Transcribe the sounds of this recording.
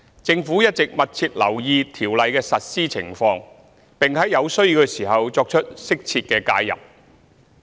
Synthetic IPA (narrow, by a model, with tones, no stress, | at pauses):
t͡sɪ˧ŋfuː˨˥jɐ˥t̚t͡sɪ˨k̚mɐ˨t̚t͡sʰiː˧t̚lɐ˨˩wjiː˧t̪ʰiː˨˩wlɐ˨jkɛː˧sɐ˨t̚siː˥t͡sʰɪ̰˨˩ŋfɔː˧ŋ | pɪ˨ŋhɐ˨˥jɐ˨˧wsɵ˥ɥkɛː˧siː˨˩ɦɐ˨wt͡sɔː˧k̚t͡ʃʰɵ˥t̚sɪ˥k̚t͡sʰiː˧t̚kɛː˧kaː˧jjɐ̰˨˩p̚